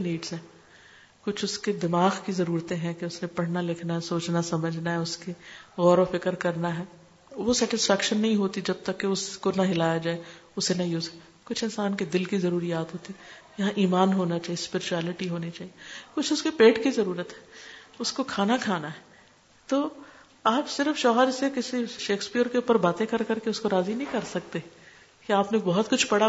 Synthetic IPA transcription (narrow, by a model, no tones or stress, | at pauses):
niːɖz̥ɦɛː | kʊt͡ʃʰʊsked̪ɪmaːɣkizɐɾuːɾt̪ẽɦɛ̃keʊsnẽpɐɽ̤nalɪkʰnaɦɛsoːt͡ʃnasɐməd͡ʒʱnaɦɛʊskeɣɔːɾofɪkəɾkɐɾnaɦɛː | ʋosɛːʈɪsfɛːkʃənːɐɦĩɦoːt̪id͡ʒɐb̚t̪ɐkːeʊskonɐɦɪlaːjad͡ʒaːeʊsenɐĩʊse | kʊt͡ʃʰɪnsaːnked̪ɪlkizɐɾuːɾijaːt̪ɦoːt̪i | jɐɦãʔiːmaːnɦoːnat͡ʃaːiespɪɾɪt͡ʃuɛːlɪʈiɦoːnit͡ʃaːɦiekʊt͡ʃʰʊskepeːʈkizɐɾuːɾət̪ɦɛ̥ːʊskokʰaːnakʰaːnaɦɛː | t̪oː | aːpsɪɾfʃɔːɦəɾsekɪsiʃeːkspiːəɾkeʊpəɾbaːt̪ẽkɐɾkɐɾkeʊskoɾaːzinɐɦĩkɐɾsɐk̚t̪e | kiaːpnebɔɦʊt̪kʊt͡ʃʰpɐɽa